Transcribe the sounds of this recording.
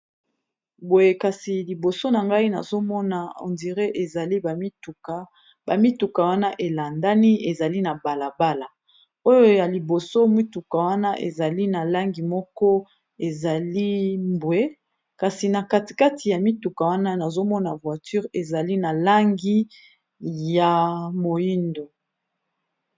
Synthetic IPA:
bo˨je˨ka˨si˨li˨bo˨so˦na˨ŋɡa˦i˦na̰˨zo˦mɔ˦na˨o̰˨ndi˨ʁe˦ʔe˨za˨li˦ba˨mi˦tu˨ka˨ | ba˨mi˦tu˨ka˨wa˦na˦ʔe˨la˨nda˦ni˦e˨za˨li˦na˨ba˨la˨ba˦la˨ | o˦jo˦˨ja˨li˨bo˨so˦mi˦tu˨ka˨wa˦na˦ʔḛ˨za˨li˦na˨la˦ŋɡi˨mɔ˦kɔ˦ | e˨za˨li˦mbwe˦ | ka˨si˨na˨ka˦ti̥˨ka˦ti˨ja˨mi˦tu˨ka˨wa˦na˦na˨zo˦mɔ˦na˨vwa˨ty˦ʁe˨za˨li˦na˨la˦ŋɡi˦ | ja˨mo˨ji˦ndo˨

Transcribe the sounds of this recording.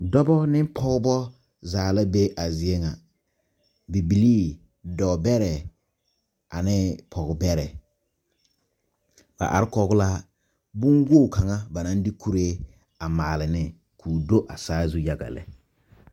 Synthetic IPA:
dɔ˦bɔ˦nɪ˦m˦pʰɔ˦ɡbɔ˦ | zaː˨la˦be˦ʔa˨zɪ˨e˦ŋa˨ | bi˨bi˨liː˦ | dɔ˨bɛ˦ɾɛ˨ | a˨nɪ˦pʰɔ˨ɡbɛ˦ɾɛ˨ | b̥a̰˨ʔa̰˨ɾɪ˦kɔ˨ɡʊ˦la˦ | bʊ˦nwo˦˨ka˨ŋa˦ba˨nã˦n˦dɪ˦kʰu˦ɾe˦ | a˨maː˨lɪ˨nɪ˦ | kʰuː˨do˦ʔa˨saː˦zu˦ja˨ɡa̰˨lɛ̰˨

